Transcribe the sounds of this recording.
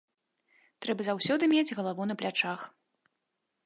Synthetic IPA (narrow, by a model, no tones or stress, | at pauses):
t̪ɾɛbɐzawsʲɔd̪ɨmʲed͡zʲɣɐlˠavunɐplʲat͡ʂax